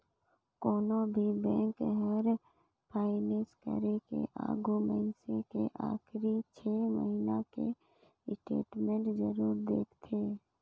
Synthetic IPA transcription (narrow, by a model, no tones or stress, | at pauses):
koːnobʱibɛ̃ːŋkɦəɾ | pʰaːɪneːskə̰ɾekḛʔa̰ːɡumɛnsẽkḛʔaːxɾit͡ʃʰeːmə̰ɦinakḛ | sʈḛːʈmẽɳʈzəɾuːɾd̪eːkt̪ʰeː